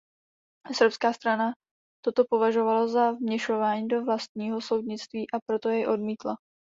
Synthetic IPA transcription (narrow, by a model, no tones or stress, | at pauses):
ɛsrpskaːst̪ɾana | t̪o̞t̪o̞po̞vaʒo̞valazavmɲɛʃo̞vaːɲiːdo̞vlast̪̚ɲiːɦo̞so̞wdɲɪt͡st̪viːʔapɾo̞t̪o̞jɛjʔo̞dmiːt̪la